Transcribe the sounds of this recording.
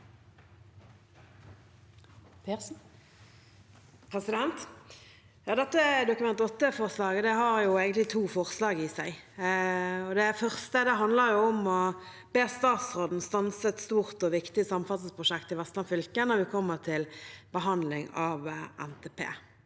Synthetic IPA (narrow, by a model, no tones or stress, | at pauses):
p | pʰɾɛsɪd̪ɛnt̪ | jɑːd̪ɛt̪ːəd̪ʊkʉmɛnt̪ɔt̪ːəfɔʁslɑːɡəd̪ɛɦɑɾjʊeːɡənt̪lɪt̪ʰuːfɔʁslɑːɡɪsæɪ | ɔd̪ɛfœʁst̪əd̪ɛɦɑnd̪ləʁjʊɔmɔ | b̥eːʁst̪ɑːt̪sʁoːd̪n̩st̪ɑnsət̪st̪uːʁt̪ɔʋɪkt̪ɪəsɑmːən̩fɑt̪nspʰʁʊʃɛkt̪ɪʋɛst̪lɑnfʏlkənɔʋɪkʰɔmːəʁt̪ʰɪlb̥əɦɑnd̪lɪŋɑʋʔɛ̰nt̪ʰeːpʰḛː